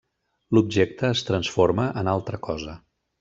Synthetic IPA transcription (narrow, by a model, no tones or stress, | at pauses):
lub̚ʒek̚t̪əːst̪ɾənsfoɾməʔənalˠt̪ɾəkɔzə